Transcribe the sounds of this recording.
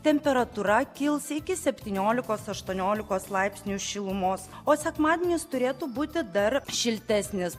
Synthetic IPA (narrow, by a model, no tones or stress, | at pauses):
t̪ʲɛmʲpʲɛɾɐt̪uːɾɐkʲɪlˠsɪkʲɪsʲɛpʲt̪ʲiːnʲoːlʲɪkoːsɐʃt̪uɔnʲoːlʲɪkoːslˠɐɪpʲsʲnʲuːʃʲɪlˠʊmoːs | oːsʲɛkmɑːd̪ʲenʲɪst̪ʊɾʲeːt̪uːbuːt̪ʲɪd̪ɐɾʃʲɪlʲt̪ʲɛsʲnʲɪs